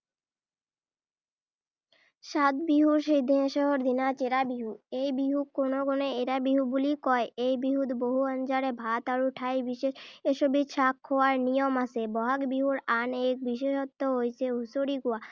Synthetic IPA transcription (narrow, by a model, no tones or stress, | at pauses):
ʃat̪biɦuɾʃejd̪ʱiʃɔɦoɾd̪inat͡ɕeɾabiɦuejbiɦukːonokoneeɾabiɦubulikɔeejbiɦud̪boɦuənd͡ʑaɽebʱat̪aɾuʈʰajbiʃeʃeʃobʱid̪ʃakʰːowaɾnijomasebɔɦakbiɦuɾanek̚biʃeʃɔt̪ːoɦojt͡ɕʰeɦusoɾiɡoa